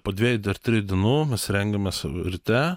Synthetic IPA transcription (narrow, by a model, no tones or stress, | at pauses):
poːd̪ʲʋʲiɛjʊd̪ʲɛɾʲt̪ʲɾʲɪd̪ʲɪɛnuːmʲɛsɾʲɛŋɡɐmʲeːsɪɾʲt̪ʲɛ